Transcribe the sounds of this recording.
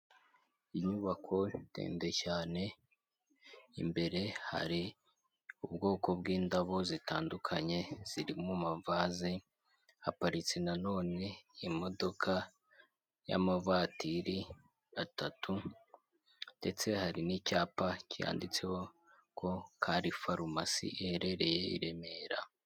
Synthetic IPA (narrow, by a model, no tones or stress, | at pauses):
iɲuβakʰo̞tḛːnde̞caːne̞ | imbe̞ɾe̞ha̰ɾi | ubɡo̞ːko̞bɡiːndaβo̞zitaːndukʰaɲe̞z̥iɾimumavazi | hapaɾit͡senano̞ːne̞imo̞do̞kʰa | ja̰mavaːtiɾi | atatʰu | nde̞t͡se̞haɾinicaːpacija̰ːndit͡se̞ho̞ | kʰo̞kʰaːɾifaɾumasḭʔiheɾe̞ɾe̞jeḭɾe̞me̞ɾa̰